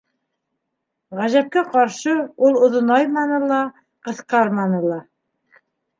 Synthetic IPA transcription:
ʁæʒæp̚kæqɑɾʃɤulˠŏðŏnɑjmɑnɤlˠɑ | qɤ̆θqɑɾmɑnɤlˠɑ

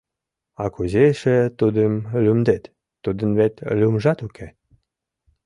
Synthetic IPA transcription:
ɑkuzeʃĕt̪ud̪əmlʲymd̪et̪ː | ud̪ə̆nβet̪lʲumʒɑt̪ukʰe

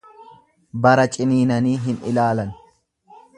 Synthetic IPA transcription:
bɐɾɐt͡ʃʼɪniːnɐniːɦɪnɪ̰laːlɐn

